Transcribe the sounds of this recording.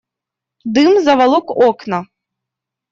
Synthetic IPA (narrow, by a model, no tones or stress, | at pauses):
d̪ɨmzɐvalˠɔkɔknɐ